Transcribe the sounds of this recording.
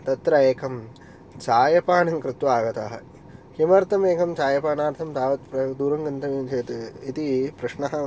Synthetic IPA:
t̪ɐt̪ɾɐeːkʰɐm | t͡ʃaːjɐpaːɳɐŋkɾɪt̪ʋaːɡɐt̪aːɦɐ | kimɐɾt̪ɐmeːkɐmt͡ʃaːjɐpaːɳaːɾt̪ʰɐmt̪aːʋɐt̪pɾɐd̪uːɾɐŋɡɐnt̪ɐʋimt͡ʃeːt̪eit̪ipɾɐʂɳɐɦɐ̆

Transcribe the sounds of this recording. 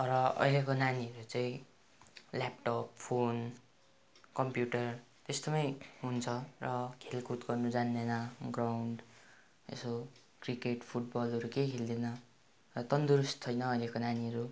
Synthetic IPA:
ʌɾʌʌ̰jlekonaniʌɾut͡sʌĩ | lap̚ʈʌp̚pʰon | kʌmpjuʈʌr | t̪esd̪ʌmʌjɦunt͡sʰʌrʌkʰelkut̪ɡʌrnud͡zanːenʌɡrawɳɖ | ḛso | krikeʈpʰuʈ̚bʌlʌɾukejkʰeld̪enʌ | rʌt̪ʌnd̪uɾust̪ʰʌjnʌːjlekonaniʌɾu

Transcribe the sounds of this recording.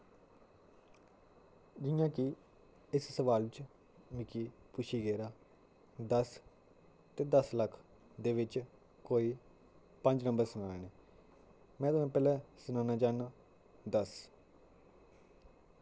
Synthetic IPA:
d͡ʒɪjãːkɪ | ɪssəʋaːlt͡ʃ | mɪkiːpʊʃʰiːɡeːɾaː | d̪əs | t̪eːd̪əsləkʰ | d̪eːʋɪt͡ʃ | koːiː | pə̃ɲd͡ʒnə̃mbəɾsʊnaːeːneː | mɛ̃ːt̪ʊãːpɛːlɛːsʊnaːnaːd͡ʒaːnaː | d̪əs

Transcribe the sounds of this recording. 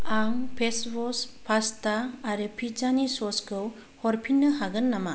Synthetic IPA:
aŋpʰesbɔspʰastaːɾɯpʰid͡ʒanisɔskʰɯw | hɔɾpʰinːɯɦaɡɯnːama

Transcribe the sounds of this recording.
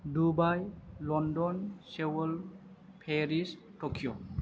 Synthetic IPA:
dubajlɔndɔnsewɔl | pʰeɹis | tokʰijɔ

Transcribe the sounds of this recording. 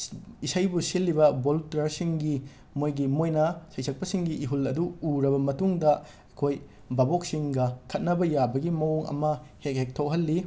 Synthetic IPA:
isajbusilːibɐboltɾɐɾsiŋɡi | mojɡimojnɐsɐjsʰɐk̚pɐsiŋɡiʔiɦulɐduuɾɐbɐmɐtuŋdɐ | ɐkʰoj | babok̚siŋɡɐkʰɐt̚nɐbɐjabɐɡimɐwoŋɐ̰mɐhek̚hek̚tʰowɦɐlːi

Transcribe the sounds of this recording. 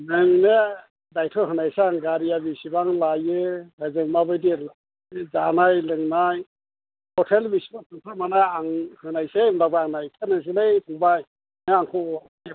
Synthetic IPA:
nɯŋne | dajtʰɔɦɯnajseaŋɡaɾijabisibaŋlajɯbazɯŋmabɯjdil | zanajlɯŋnaj | hɔtʰelbisibapʰɯŋtʰamanajaŋhɯnajsemlabaaŋnajkʰɯnaŋs̬ilejpʰɯŋbaj | nɯaŋkʰɔ

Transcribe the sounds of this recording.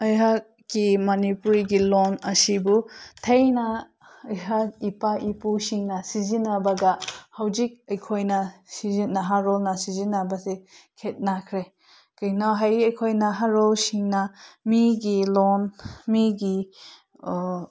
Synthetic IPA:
ɐjɦak̚ | kimanipuɾiɡilonɐsibutʰejna | ɐjɦak̚ipaʔipusiŋnasizinabaɡahawd͡ʒik̚ɐjkʰojnasizinaɦaɾɔlnasizinabasekʰet̚nakʰɾe | kɯjnɔɦajɐjkʰojnaɦaɾɔlsiŋnamiɡilonmiɡi

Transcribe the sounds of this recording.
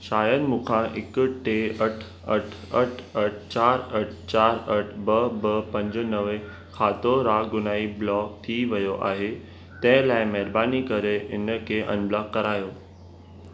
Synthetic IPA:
ʃaːjəd̪mũːkʰãʔɪkʊʈeːɐʈʰ | ɐʈʰ | ɐʈʰɐʈʰt͡ɕaːɾɐʈʰt͡ɕaːɾɐʈʰbɐbɐpɐ̃ɲd͡ʑənɐʋe | kʰaːt̪oɾaːɡʊnaːiblɔːk̚t̪ʰiʋɐjoʔa̰ːɦe | t̪ɐ̃ɦɪ̃laːɪmɐɦɾbaːnikɐɾeʔɪnə̆kʰeːʔɐ̰̃nblaːkːɐɾaːjoː

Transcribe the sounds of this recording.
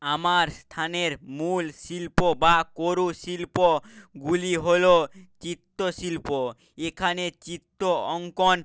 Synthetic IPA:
amaɾst̪ʰaneɾmulsilpobakoɾusilpoɡuliɦolot͡ɕit̪ːosilpo | ekʰanet͡ɕit̪ːoɔŋkon

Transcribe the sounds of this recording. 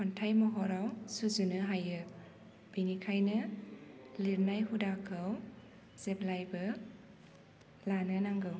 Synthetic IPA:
kʰɔntʰajmɔɦɔɾawsuzunɯɦajɯ | b̥inikʰajnɯ | liɾnajɦudakʰɯw | z̥eplajbɯ | lanɯnaŋɡɯw

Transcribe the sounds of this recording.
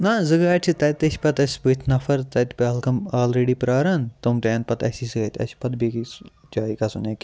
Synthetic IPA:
nazɨɡɾaːt͡ʃʰit̪ɐt̪ɐsʲpɐt̪ɐsʲbɨt̪ʲʰnɐfɐɾt̪ɐt̪pɐːlkɐmaːlɾeːɖipɾaːɾaːnt̪ɐmt̪eːnpɐt̪ɐ̰sisɨɡɐt̪ʲɐ̰sʲi̥pɐt̪̚beːki | d͡ʒaːikɐsuneːkʲi

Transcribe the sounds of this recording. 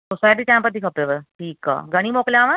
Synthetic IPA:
sosajʈ̪iːt̪ãmpəd̪ʰʱikʰəpeʋəɾʈʰiːka̰ɡəɽ̃iːmokljãːʋə̃

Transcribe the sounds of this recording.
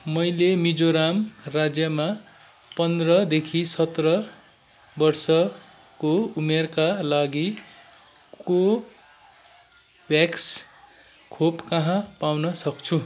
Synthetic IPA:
mʌjlemid͡zoɾamrad͡zjʌma | pʌnd̪rʌd̪ekʰisʌt̪rʌ | bʌrsʌ | koumerkalaɡi | ko | bjaks | kʰopkʌɦãpawnʌsʌkt͡sʰu

